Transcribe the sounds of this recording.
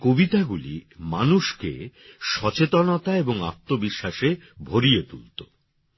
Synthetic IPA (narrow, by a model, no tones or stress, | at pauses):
kobit̪aɡulḭmanuʃkḛʃɔt͡ɕet̪onot̪aeboŋa̰p̚t̪ːobiʃːaʃe | bʱoɾiet̪ṵlt̪o